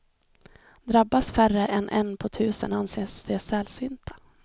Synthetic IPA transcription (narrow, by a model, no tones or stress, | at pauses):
d̪ɾabːasfærəʔɛnʔɛnːpʰɔt̪ʰʉ̟ːsə̰nanseːsd̪̥ɛsɛlsyːnt̪ʰḁ